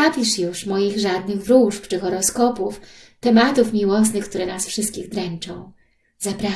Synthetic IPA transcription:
apʲiʂjuʂmɔjiɣʐad̪nɘɣvɾuʂpt͡ʂɘxɔɾɔskɔpuf | t̪ɛmat̪ufmʲiwɔs̬nɘxk̚t̪uɾɛnasfʂɘst̪̚kʲiɣd̪ɾɛnt͡ʂɔ̃w̃ | zapɾa

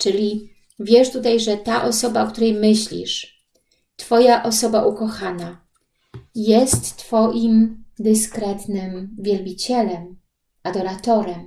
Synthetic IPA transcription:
t͡ʂɘlʲi | vʲjɛʂt̪ut̪ajʐɛt̪aʔɔsɔbaɔk̚t̪uɾɛjmɘɕlʲḭʂ | t̪fɔjaʔɔsɔbaʔukɔxana | jɛst̪ːfɔʔimd̪ɘskɾɛt̪nɘmvʲjɛlbʲit͡ɕɛlɛm | ad̪ɔɾat̪ɔɾɛm

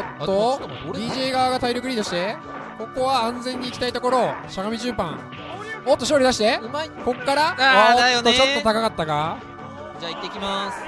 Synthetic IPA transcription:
t̪ːo | d̪iːʑeːɡaβaɡat̪aiɾʲokɯ̟ɾʲiːd̪o̞ɕi̥t̪e̞ | ko̞ko̞βaãnzẽ̞ɲ̟ːiːkʲi̥t̪ait̪o̞ko̞ɾo̞ɕaɡamʲiʑɨːpã̰ŋ | ot̪ːo̞ɕ̬o̞ːɾʲid̪aɕi̥t̪e̞iko̞kːaɾaaod̪ajoːot͡ɕo̞t̪ːo̞t̪akakat̪ːaɡa | d͡ʑait̪ːeikʲimasɨ̥

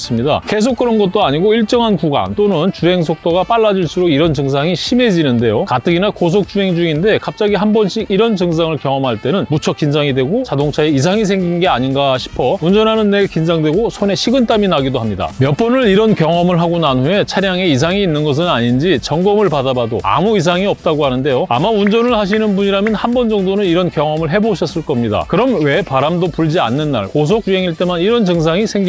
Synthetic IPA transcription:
s͈ɯmɲida̰ke̞s̬ʰok͈̚ːɯɾʌnɡʌt̚t͈oaɲiɡoiɭt͡ɕ͈ʌŋɦankuɡa̰nt͈onɯnt͡ɕuɦe̞ŋs̬ʰok̚t͈oɡap͈aɭːad͡ʑiɭs͈ʰuɾoiɾʌnt͡ɕɯŋs̬ʰaŋiɕʰime̞d͡ʑinɯnde̞jokat͈ɯɡinakos̬ʰok̚t͡ɕ͈uɦe̞ŋd͡ʑuŋinde̞kap̚t͡ɕ͈aɡiɦambʌnɕʰiiɾʌnt͡ɕɯŋs̬ʰaŋɯɭkjʌŋʌmɦaɭt͈e̞nɯnmut͡ɕʰʌk͈ind͡ʑaŋidweɡot͡ɕadoŋt͡ɕʰaeis̬ʰaŋis̬ʰe̞ŋɡinɡe̞aɲinɡaɕʰi̥pʰʌund͡ʑʌnɦanɯnːe̞ɡekind͡ʑaŋdwe̞ɡosʰone̞ɕʰiɡɯnt͈aminaɡidoɦamɲida̰mjʌp͈ʌnɯɾiɾʌnkjʌŋʌmɯɭɦaɡonanue̞t͡ɕʰaɾjaŋe̞is̬ʰaŋiːnːɯnɡʌs̬ʰɯnaɲind͡ʑit͡ɕʌŋɡʌmɯɭpadabado̰a̰muis̬ʰaŋiʌp̚t͈aɡohanɯnde̞joamaund͡ʑʌnɯɭhaɕ̬ʰinɯnbuɲiɾamjʌnhambʌnd͡ʑʌŋdonɯniɾʌnkjʌŋʌmɯɭɦe̞boɕʰʌs͈ɯɭk͈ʌmɲida̰kɯɾʌmwe̞paɾamdopuɭd͡ʑia̰nːɯnːa̰ɭkos̬ʰok̚juɦe̞ŋiɭt͈e̞maniɾʌnt͡ɕɯŋs̬ʰaŋisʰe̞ŋɡi

